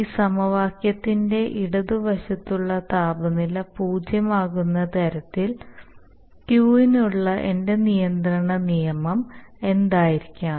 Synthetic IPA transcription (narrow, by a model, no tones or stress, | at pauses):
iːsɐmɐʋaːkjɐt̪ːinde̞ʔiɽɐðuʋɐɕɐt̪ːuɭːɐt̪aːbɐnilɐpuːd͡ʑjɐmaːɣunːɐt̪ɐɾɐt̪ːil | kjuːinuɭːɐʔe̞nde̞nijɐnd̪rɐɳɐnijɐmɐme̞nd̪aːjiɾikʲːaː